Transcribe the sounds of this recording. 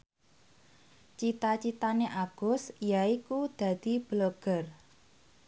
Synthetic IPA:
t͡ʃit̪at͡ʃit̪aneʔaɡ̥ʊ̤sjaikud̪̥a̤d̪̥i̤b̥loɡ̥ə̤r

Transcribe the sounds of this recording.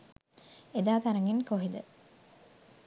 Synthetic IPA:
ed̪aːt̪ɐɾɐŋɡinkoɦid̪ə

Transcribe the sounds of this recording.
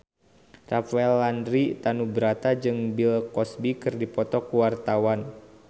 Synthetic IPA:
rafaɛlandɾit̪anubəɾat̪ad͡ʒɨŋbilkɔsbikɨrdipɔt̪ɔkuwart̪awan

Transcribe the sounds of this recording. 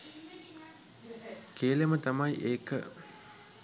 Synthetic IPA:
keːlemət̪amajʔeːkə̰

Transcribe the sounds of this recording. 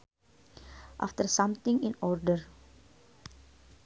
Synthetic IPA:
ʔa̰ft̪ərsãmt̪ɪ̃ŋĩnɔrdər

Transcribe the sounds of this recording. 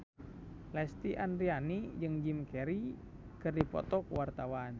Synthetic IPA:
lɛst̪iʔandɾianid͡ʒɨŋd͡ʒimkɛɾi | kɨrdipɔ̰t̪ɔkwart̪awan

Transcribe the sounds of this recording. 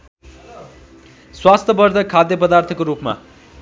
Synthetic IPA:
swast̪ʰʌbʌrd̪ʱʌkʰad̪jʌpʌd̪art̪ʰʌkoɾupma̰

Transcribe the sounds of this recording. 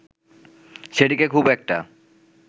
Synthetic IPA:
ʃeʈikekʰubɛk̚ʈa̰

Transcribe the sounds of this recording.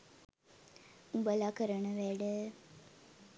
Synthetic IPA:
ubəlakəɾəɳəʋæɖə

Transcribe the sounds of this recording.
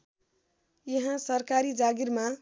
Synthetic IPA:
jʌɦãsʌɾkaɾid͡ʒaɡiɾma

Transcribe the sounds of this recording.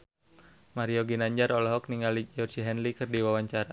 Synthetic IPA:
maɾioɡinaɲd͡ʒaɾɔlɔɦɔk̚niŋalid͡ʒɔrd͡ʒiɦɛnlikɨrdiwawaɲt͡ʃaɾa

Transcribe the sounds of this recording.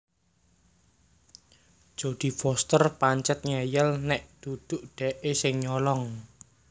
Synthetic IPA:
d̥ʒ̥o̤d̪̥i̤fɔst̪ərpaɲt͡ʃət̪̚ɲɛjəlnɛʔd̪̥ud̪̥ʊ̤ʔɖ̥ɛ̤ʔesɪŋɲɔlɔŋ

